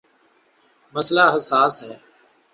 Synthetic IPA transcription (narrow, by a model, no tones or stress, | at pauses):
məslaːɦəsaːsɦɛː